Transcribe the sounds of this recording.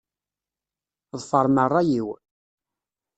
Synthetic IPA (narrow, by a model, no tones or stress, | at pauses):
ðˤfəɾˤmərˤːɑjiw